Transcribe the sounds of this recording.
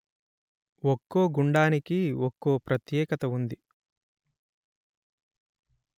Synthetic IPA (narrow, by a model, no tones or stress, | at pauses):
wɔkːoːɡuɳɖaːnikiɔkːoːpɾɐt̪jɛːkɐt̪ɐund̪i